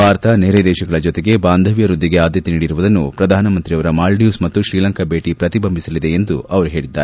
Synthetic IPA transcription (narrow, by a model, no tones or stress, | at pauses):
bʱaːɾt̪ɐneɾed̪ɛːʃɐɡɐɭɐd͡ʒɔt̪eɡebaːnd̪ʱɐʋjɐɾud̪ʱːiɡe̞aːd̪jɐt̪eniːɽiɾuʋud̪ɐnːupɾɐd̪ʱaːnɐmɐnt̪ɾijɐʋɐɾɐmaːlɖjuːsmɐt̪ːuʃɾiːlɐŋkɐbʱe̞ːʈipɾɐt̪ibɐmbʱisɐlid̪e̞ːnd̪uɐʋɐɾuɦe̞ːɭid̪ːaːɾe